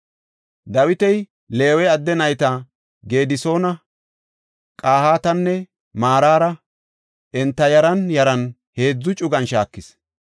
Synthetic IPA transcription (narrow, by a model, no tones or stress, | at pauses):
d̪ɐwɪt̪ɛj | le̞ːwɛɐd̪ːɛnɐjt̪ɐ | ɡe̞ːd̪ɪso̞ːnɐ | kʼaːhaːt̪ɐnːɛ | maːɾaːɾɐ | ʔɛnt̪ːɐjɐɾɐnjɐɾɐn | he̞ːd͡zːʊt͡ʃʼʊɡɐnʃaːkːɪs